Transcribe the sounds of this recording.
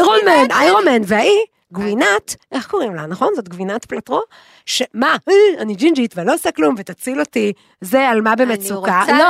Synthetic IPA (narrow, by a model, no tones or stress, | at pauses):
ʁomenajʁomenveai | ɡvinat̪ʔe̞χko̞ʁimlanaχo̞nzo̞t̪̚ɡvinat̪platʁo | ʃemaanid͡ʒind͡ʒit̪velo̞osaklumvet̪at͡silo̞ti | zealmabeːmetsukalo